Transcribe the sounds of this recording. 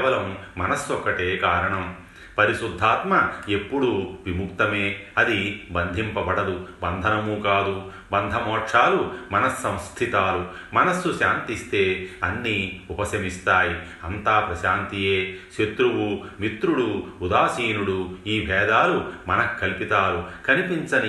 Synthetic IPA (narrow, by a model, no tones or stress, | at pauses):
ɛʋɐlɐmːɐnɐsːɔkːɐʈe̞ːkaːɾɐɳɐm | pɐɾiʃud̪ʱːaːt̪mɐepːuɽuʋimuk̚t̪ɐmeːɐd̪ibɐnd̪ʱimpɐbɐɽɐd̪ubɐnd̪ʱɐnɐmuːkaːd̪u | bɐnd̪ʱɐmɔːʈʂaːlumɐnɐsːɐ̃mst̪ʰit̪aːlu | mɐnɐsːuʃaːnt̪ist̪eːɐnːiːupɐsɐmist̪aːji | ɐnt̪aːpɾɐʃaːnt̪ijeːʃet̪ɾuwumit̪ɾuɽuːd̪aːsiːnuɽuiːbʱɛːd̪aːlumɐnɐkʰːɐlpit̪aːlukɐnipint͡ʃɐni